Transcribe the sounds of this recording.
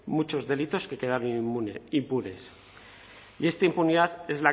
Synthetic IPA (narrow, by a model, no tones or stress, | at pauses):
mut͡ʃo̞zðe̞lit̪o̞ske̞ke̞ð̞aɾonimpuɾe̞s | ie̞st̪aimpuniðaðe̞zla